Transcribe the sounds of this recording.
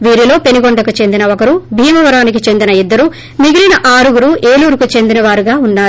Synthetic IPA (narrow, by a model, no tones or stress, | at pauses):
ʋiːɾilo̞ːpe̞niɡoɳɖɐkut͡ʃe̞nd̪inɐɔkɐɾubʱiːmɐʋɐɾaːnik̬it͡ʃe̞nd̪inɐid̪ːɐɾu | miɡilinɐʔaːɾuɡuɾueːluːɾukut͡ʃe̞nd̪inɐʋaːɾuɡaːunːaːɾu